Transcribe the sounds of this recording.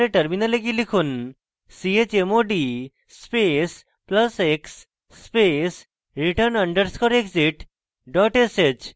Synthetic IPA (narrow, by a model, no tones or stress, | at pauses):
ɾeʈəɾminəlekilikʰun | siet͡ɕemoɖi | spes | pləseksː | pes | ɾiʈəɾnəɳɖəɾskɔɾeksiʈ | ɖɔʈeset͡ʃ